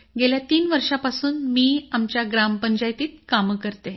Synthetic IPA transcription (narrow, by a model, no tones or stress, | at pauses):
ɡeljat̪iːnʋəɾʂapasuːnmiːamt͡ɕjaɡɾampəɲd͡ʑajt̪iːt̪̚kaməkəɾt̪e